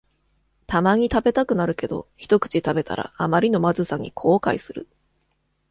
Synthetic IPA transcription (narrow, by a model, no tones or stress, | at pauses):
t̪amaɲ̟it̪abe̞t̪akɯ̟naɾɯ̟ke̞d̪o̞̰çi̥t̪o̞kɯ̟̥t͡ɕit̪abe̞t̪ʰa̰ɾa̰amaɾʲino̞mazɨsaŋ̟ḭkʰo̞ːka̰isɨɾɯ̟